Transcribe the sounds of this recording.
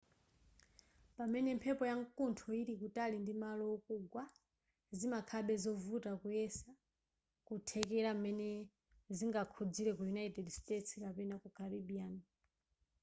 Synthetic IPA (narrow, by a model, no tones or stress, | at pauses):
pamɛnɛmpʰɛpɔjaŋkuntʰɔiɾikutalindimalɔːkuɡwa | zimakʰaɓɛzɔvutakujɛsa | kutʰɛkɛɾam̩mɛnɛ | ziŋɡakʰud͡ziɾɛkujunaitɛdstɛtskapɛnakukʰaɾiɓiaːna